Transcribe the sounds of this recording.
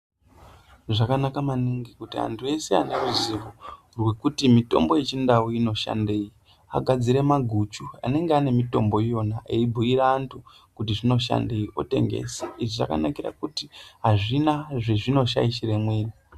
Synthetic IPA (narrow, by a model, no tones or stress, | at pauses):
ʐakanakamaniŋɡikutia̰ntʰue̞sea̰neuziʋo | rwe̞kutimito̞̰mbo̞je̞t͡ʃindauino̞ʃa̰nde̞ːji | a̰ɡʱad͡ziɾe̞maɡʱut͡ʃua̰ne̞ŋɡeane̞mito̞mbo̞jo̞naʔeibʱuiɾaːntʰu | kutiʐino̞ʃa̰nde̞iʔo̞̰te̞̰ŋɡe̞̰seiʐiʐa̰ka̰nakiɾa̰kutiɦaʐinaʐeʐino̞ʃa̰iʃiɾe̞mwiːri